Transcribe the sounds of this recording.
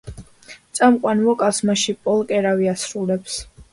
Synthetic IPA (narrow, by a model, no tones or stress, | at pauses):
t̪sʼamqʼwanvɔkʼasmaʃipʼɔlˠkʼɛɾaviasɾulɛps